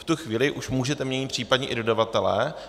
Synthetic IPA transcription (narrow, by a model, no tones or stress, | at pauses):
ft̪uxviːlɪʔuʃmuːʒɛt̪ɛmɲɛɲɪt̪pr̝̥iːpadɲɛʔɪdo̞davat̪ɛlɛ̰ː